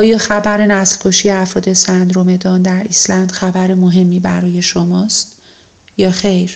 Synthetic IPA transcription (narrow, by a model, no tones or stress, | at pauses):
ɒːjɒːxæbæɾenæslkʰoʃiːjeæfɾɒːd̪e̞sænd̪ɾome̞d̪ɒːnd̪æɾislænd̪̥xæbæɾemoɦe̞mːiːbæ̰ɾɒːje̞ʃomɒːst̪ | jɒːxe̞jɾ